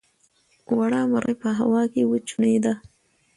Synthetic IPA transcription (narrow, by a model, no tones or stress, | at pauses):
waɽɑmaɾʔə̰pəɦawɑkewət͡ʃuned̪a